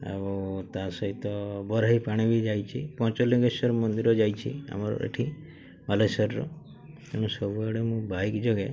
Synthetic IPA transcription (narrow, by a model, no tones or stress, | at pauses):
a̰bot̪asɔɦit̪ɔbɔɾaɦipaɽ̃ibid͡ʒajt͡ʃʰipɔ̃t͡ʃɔliɡesɔɾmɔnd̪iɾɔd͡ʒajt͡ʃʰḭa̰maɾɔ̰ʔḛʈʰi | malesɔɾɔ̰ | eñɔ̃sɔbuaɽemũbaikd͡ʒoɡe